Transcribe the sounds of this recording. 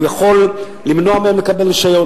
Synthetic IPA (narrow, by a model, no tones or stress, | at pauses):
jaχo̞lː | imno̞ameemlekabe̞liʃajo̞